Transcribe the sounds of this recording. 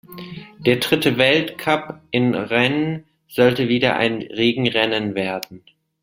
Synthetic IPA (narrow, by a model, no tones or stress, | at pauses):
d̥eːɐdʁɪtəvɛltkʰapʔɪnʁɛnən | z̥ɔltəviːdɐ̰ʔa̰ɪnʁeːɡŋ̩ʁɛnənveːɐd̚n̩